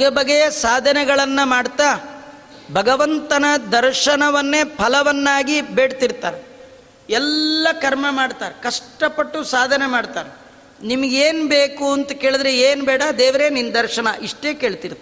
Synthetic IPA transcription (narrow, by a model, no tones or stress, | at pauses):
ɡebɐɡejɐsaːd̪ʱɐnɛɡɐɭɐnːɐmaːɽt̪aː | bʱɐɡɐʋɐnt̪ɐnɐd̪ɐɾʂɐnɐʋɐnːeːpʰɐlɐʋɐnːaːɡibeːɽt̪iɾt̪a̰ːɾe | ɛlːɐkɐɾmɐmaːɖt̪aːɾekɐʂʈɐpɐʈːusaːd̪ʱɐnemaːɽt̪aːɾe | nimɐɡeːnbeːkuɐnt̪ɐke̞ːɭid̪ɾeeːnbɛːɽɐd̪ɛːʋɾenind̪ɐɾʂɐɳɐʔiʂʈeːke̞ːɭt̪iɾt̪a